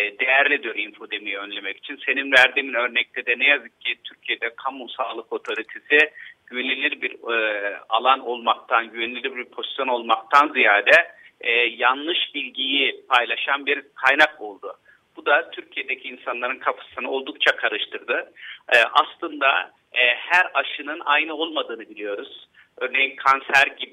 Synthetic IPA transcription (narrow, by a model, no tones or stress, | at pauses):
d̪ejæɾlʲid̪ijo̞ɾinfo̞d̪emijɛønlʲe̞mɛci̥t͡ʃʰinse̞ninvæɾd̪iminø̞ɾnɛc̚t̪ʰɛd̪ɛnɛjazɯk̚cʰːit̪ʰyɾcʰijed̪ɛkʰambumsaːlˠɯko̞t̪ʰo̞ɾit̪ʰesiɟ̥yβenilʲiɾbiɾ | a̰lˠano̞lˠmak̚t̪ʰanɟyβenʲilʲilʲiɾbiɾpʰo̞zi̥sjo̞no̞lˠmak̚t̪ʰanzijaːd̪ɛː | janlˠɯʃbilʲɟijipʰajlˠaʃanbiɾkʰajnako̞lˠd̪u | b̥ud̪at̪ʰyɾcʰijed̪ecʰiːnsanlˠaɾɯnkʰapʰḁsɯnɯo̞lˠd̪uk̚t͡ʃʰakʰaɾɯʃt̪ʰɯɾd̪ɯʔaslˠɯnd̪a̰ | hæɾaʃɯnɯnajnɯo̞lˠmad̪ɯːnɯbilʲijo̞ɾuz̥ | ø̞ɾne̞jinkʰansæɾɟib